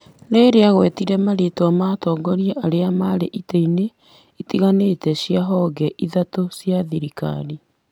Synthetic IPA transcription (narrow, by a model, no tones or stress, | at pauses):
ɾeɾeaɣwɛtiɾɛmaɾeːtwamaːtɔːɡɔɾieʔaɾeamaɾeʔiteine | itiɣaneːtɛɕiaɦɔɡɛʔiðatosjaðiɾika̰ni